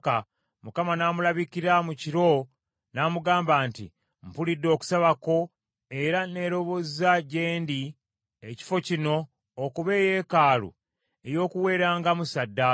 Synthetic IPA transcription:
ka | mukamanaːmulaβikiɾamuciɾo̞ | naːmuɡaːmbaːntḭ | m̩pulidːo̞ːku̥saβako̞ | e̞ɾane̞ɾo̞βo̞zaɟe̞ːndi | eci̥fo̞cino̞ː | kuβe̞je̞ːkaːlṵ | e̞jo̞ːkuwe̞ːɾaːŋɡamusadːa

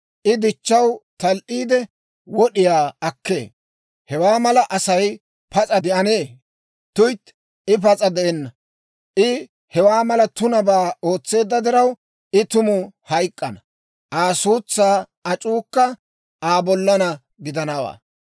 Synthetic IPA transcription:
ʔɪd̪ɪt͡ʃːɐwt̪ɐlʔiːd̪ɛ | wɔɗɪjaːɐkːe̞̰ː | hɛwaːmɐlɐʔɐsɐj | pɐt͡sʼɐd̪ɛʔɐneː | t̪ʊjt̪ | ɪpɐt͡sʼɐd̪ɛʔɛnːɐ | ʔɪ | hɛwaːmɐlɐt̪ʊnɐbaːo̞ːt͡sːe̞ːd̪ːɐd̪ɪɾɐw | ɪt̪ʊmʊhɐjkʼːɐnɐ | ʔaːsuːt͡sːaː | ɐt͡ʃʼuːkːɐ | ʔaːbɔlːɐnɐ | ɡɪd̪ɐnɐwa̰ː

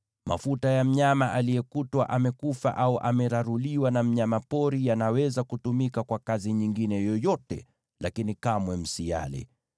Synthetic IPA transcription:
ma̰futajam̩ɲamaʔalijɛkutwaʔamɛkufa̰ʔauʔamɛɾaɾuliwanam̩ɲamapɔɾijanawɛzakutumikakwakaziɲiŋɡinɛjɔjɔtɛ̰ | lakinikamwɛm̩sia̰lɛ̰

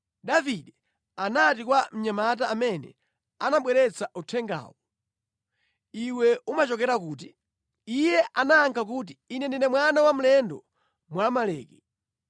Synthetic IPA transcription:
ɗaviɗɛ | anatikwam̩ɲamataːmɛnɛ̰ | anaɓwɛɾɛt͡saʔutʰɛŋɡa̰ːwɔ | iwɛumat͡ʃɔkɛɾakuːt̬i | ijɛʔanaːŋkʰak̬uːt̬iinɛndinɛmwanawamulɛndɔ̰ | mwamalɛ̰ːkɛ

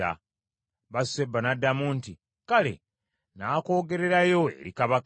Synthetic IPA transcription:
a̰ | βasebːanadːamunti | kale̞̰ | naːko̞ːɡe̞ɾe̞ɾajo̞e̞̰ɾikaβak

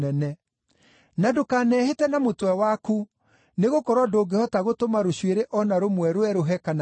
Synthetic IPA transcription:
ɛnɛ | nadokaːnɛːhetɛnamotwɛwaku | neɣokɔɾwɔdoːɡehɔtaɣotomaɾoɕweɾeʔɔnaɾomwɛɾoɛɾoɦɛkan

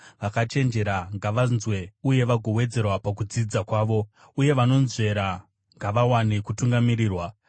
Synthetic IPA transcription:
ʋakat͡ʃe̞nd͡ʒe̞ɾaŋɡaʋanzwe̞uje̞ʋaɡʱo̞we̞d͡ze̞rwapak̬ud͡zid͡zakwaːʋo̞ | uje̞ʋano̞nze̞ɾa | ŋɡaʋawane̞kutuŋɡamiɾiːrwa

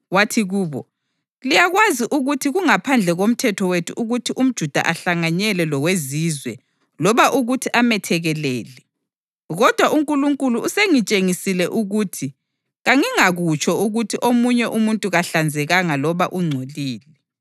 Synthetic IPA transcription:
watʰiɣuːβɔ | lijaɣwaziʔuɣutʰiɣuŋapʰand͡ɮʱɛɣom̩tʰɛtʰɔwetʰuʔuɣutʰiʔum̩d̥ʒ̥ʱud̥ʱa̰ʔaɬaŋaɲɛlɛlɔɣwezizwɛ | lɔβaʔuɣutʰiʔamɛtʰɛɣɛlɛ̰ːlɛ | ɣɔd̥ʱwaʔuŋkʼuluŋkʼuluːseŋit͡ʃʼeŋisilɛʔuɣuːtʰi | ɣaŋiŋaɣut͡ʃʰʼɔuɣutʰiʔomuɲɛʔumuntʼuɣaɬand͡zʱɛɣaŋalɔβaʔuŋ͡ǀʱoliːlɛ

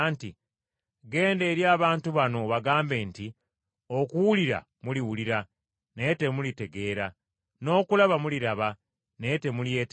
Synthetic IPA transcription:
nti | ɡe̞ːnde̞ːɾjaːβaːntuβano̞βaɡaːmbe̞ːnti | o̞kuwuliɾa̰ | muliwuliɾa | ne̞te̞mulite̞ɡe̞ːɾa | no̞ːkulaβamuliɾaβa | ne̞te̞mulje̞ːt

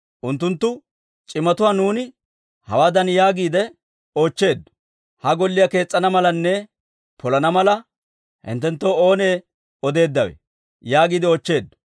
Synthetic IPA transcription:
ʔʊnt̪ːʊnt̪ːʊ | t͡ʃʼɪmːɐt̪ʊwaːnuːnɪ | hɐ̰waːd̪ɐnjaːɡiːd̪ɛ | o̞ːt͡ʃːe̞ːd̪ː | hɐɡɔlːɪjake̞ːt͡sʼːɐnɐmɐlɐnːɛ | pʰɔlɐnɐmɐlɐ | hɪ̰nt̪ːɛnt̪ːo̞ːoːne̞ː | ɔd̪e̞ːd̪ːɐwḛ | jaːɡiːd̪ɪoːt͡ʃːe̞ːd̪ː

